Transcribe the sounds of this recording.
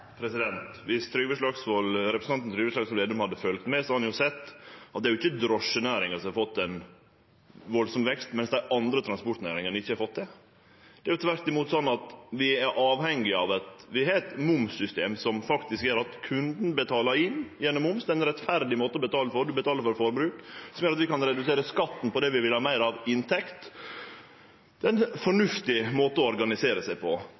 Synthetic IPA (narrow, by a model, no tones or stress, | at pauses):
pʰɾɛsɪd̪ɛnt̪ʋɪst̪ʰɾyːʋəʂɭɑɡsʋɔlɾɛpɾəsnɑnn̩t̪ʰɾʏːʋəʂɭɑːɡsʋleːd̪ʉmhɑd̪ːəfœlkt̪mɛsɔhɑnjʊsɛt̪ːɑt̪̚d̪ɛæjʊɪçːəd̪ɾɔʂənæːɾɪŋəɾsɔmɑɾfɔt̪ːɛn | ʋɔlsɔmʋɛkst̪mɛnsd̪æɪʔɑnd̪ɾət̪ʰɾɑnspɔʈ̪næːɾɪŋənɪçːəhɑɾfɔt̪ːd̪ɛ | d̪̥ɛæɾjʊt̪ʰʋæɾt̪ɪmuːt̪sɔnːɑt̪ʋɪæɾʔɑːʋhɛŋːɪɑʋɛt̪ʋɪɦɛt̪mʊmsʏst̪eːmsɔmfɑkt̪ɪskjøːɾɑt̪kʰʉnd̪n̩bət̪ʰɑːləɾɪnːjɛnɔmːʊmsd̪ɛɛnɾɛt̪fæɾd̪ɪmoːt̪əɔbət̪ʰɑːləfɔɾd̪ʉbət̪ɑːləɾfɔɾfɔɾbɾʉːksɔmjøːɾɑt̪ʋɪkɑnɾɛd̪ʉseːɾəskɑt̪ːn̩pɔd̪ɛʋɪʋɪlhɑːmæɪɾɑʋɪnt̪ʰɛkt̪ | d̪ɛnfɔɳʉft̪ɪmoːt̪əɔɔɾɡɑnɪseːɾəsæɪpʰɔ